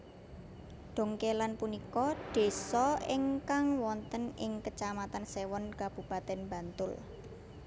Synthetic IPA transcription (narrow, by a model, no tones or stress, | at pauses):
ɖ̪̥o̤ŋkelanpunikɔɖ̪̥e̤sɔiŋkaŋwɔnt̪ənɪŋkət͡ʃamat̪ansewɔnkab̥ṳpat̪ɛnba̤nt̪ʊl